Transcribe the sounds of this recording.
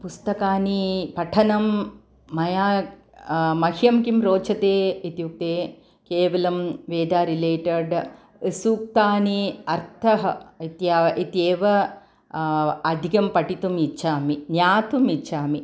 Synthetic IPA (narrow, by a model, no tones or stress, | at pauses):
pust̪ɐkaːnipɐʈʰɐnɐmː | ɐjaː | mɐɦjɐmkimɾoːt͡ʃɐt̪eːit̪juk̚t̪eː | keːʋɐlɐmʋeːd̪aːɾileːʈɐɾɖ | suːk̚t̪aːniɐɾt̪ʰɐɦɐit̪jaʔit̪jeːʋɐ | ɐd̪ʱikɐmpɐʈit̪umit͡ʃaːminjaːt̪umit͡ʃʰaːmi